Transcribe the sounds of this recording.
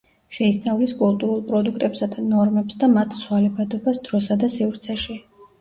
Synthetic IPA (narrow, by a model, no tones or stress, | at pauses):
ʃɛist̪sʼavliskʼulˠt̪ʼuɾulˠpʼɾɔd̪ukʰt̪ʼɛpsad̪anɔɾmɛpsd̪amat̪ʰswalɛbad̪ɔbasd̪̥ɾɔsad̪asivɾt̪sʰɛʃi